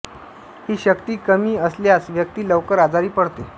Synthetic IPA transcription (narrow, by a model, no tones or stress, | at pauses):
hiːɕəkt̪iːkəmiːəsljasʋjək̚t̪iːləʋkəɾad͡zaɾiːpəɽ̤t̪e